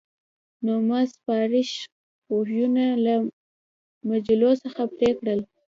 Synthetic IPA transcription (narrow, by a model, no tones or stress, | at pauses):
nomaspɑɾɪʃ | ohjunala | mad͡ʒilosəxapɾekɽəl